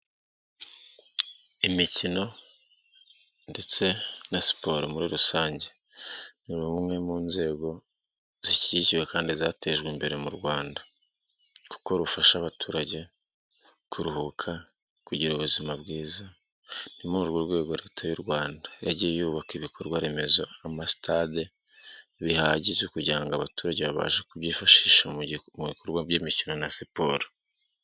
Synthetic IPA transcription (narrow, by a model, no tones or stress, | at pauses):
imicino̞ | nde̞t͡se̞nasi̥po̞ɾomuɾiɾusaːɲɟe̞̥ | niɾuumŋe̞muːnze̞ːɡo̞ | z̥iciɟiciwe̞kaːndizaːte̞ʒɡwimbe̞ɾe̞muɾɡwaːnda | ku̥ko̞ɾufaʃaβatʰuːɾaɟe̞ | kʰuɾuhukʰa | kuɟiɾouβuzimabɡiːza | nimouɾɡuɾɡwe̞ːɡo̞ɾe̞ːtʰajuɾɡwaːndajaɟijejuːβakiβikʰo̞ɾɡwaɾe̞me̞zo̞amasi̥tʰade | βihaɟizekuɟaːŋɡaβatuːɾaɟeβaβa̰ːʒekuβɟiːfaʃiːʃamuβikoɾɡwaɟiːmicino̞nasipo̞ːɾo